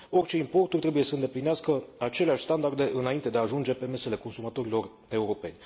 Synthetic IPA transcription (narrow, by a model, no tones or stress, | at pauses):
o̞rʲt͡ʃe̞impo̞rt̪urʲt̪ɾebuje̞səɨnd̪e̞plineaskəat͡ʃe̞leaʃʲst̪and̪ard̪e̞ʔɨnaint̪e̞d̪eaːʒund͡ʒe̞pe̞me̞se̞le̞ko̞nsumat̪o̞ɾilo̞r | e̞uɾo̞pe̞nʲ